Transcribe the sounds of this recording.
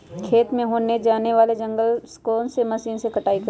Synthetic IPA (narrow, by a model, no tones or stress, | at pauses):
kʰeːt̪mẽɦoːned͡ʒaːneʋaːled͡ʒɐ̃ŋɡəlskoːnsemɐsiːnsekɐʈaːikɐ